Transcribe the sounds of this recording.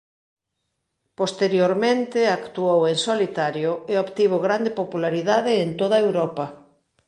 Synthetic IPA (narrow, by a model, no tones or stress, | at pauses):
post̪eɾjoɾmẽnt̪ɪakt̪uoweŋsolit̪aɾjoeopt̪iβ̞oɣɾand̪epopulaɾiðaðɪːnt̪oðaewɾɔpɐ